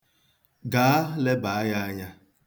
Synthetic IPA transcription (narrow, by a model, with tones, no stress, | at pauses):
ɡaː˨˦a˦le˦ba˨a˦ɲa˦a˦ɲa˦